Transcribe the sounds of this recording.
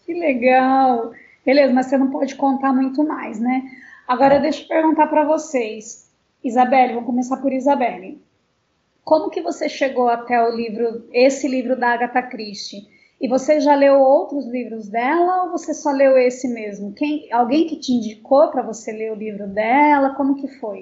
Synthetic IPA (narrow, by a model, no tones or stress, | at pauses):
kɪleɡaw | belezɐmɐsenɐ̃w̃pɔd͡ʒɪkõnt̪aɾmũj̃t̪ʊmajsnɛaɡɔɾɐewd̪eʃʊpeɾɡũnt̪aɾpɾɐvosejs | izabɛlɪvɐ̃mkõmesaɾpʊɾizabɛlɪ | kõmʊkɪvoseʃeɡowat̪ɛʊlivɾʊesɪlivɾʊd̪ɐːɡat̪akɾist͡ʃɪ | ɪvoseʒalewowt̪ɾʊzlivɾʊzd̪ɛlɐovosesɔlewesɪmezmʊkẽj̃awɡẽj̃kɪt͡ʃɪĩnd͡ʒikopɾɐvoseleʊlivɾʊd̪ɛlɐkõmʊkɪfoj